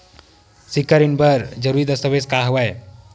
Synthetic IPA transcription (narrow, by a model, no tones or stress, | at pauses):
sikːəɾinbəɾd͡ʒəɾuːɾid̪əst̪əʋeskaɦɐʋaj